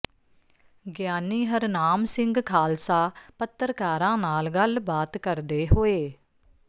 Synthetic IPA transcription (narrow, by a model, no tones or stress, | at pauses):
ɡjaːniːɦəɾnaːmsɪŋɡkʰaːlsaːpət̪ːəɾkaːɾãːnaːlɡəlbaːt̪kəɾd̪eːɦoːeː